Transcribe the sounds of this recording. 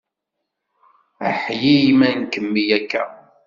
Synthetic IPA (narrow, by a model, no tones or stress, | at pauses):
ə̰ħjimænkəmːijækːæ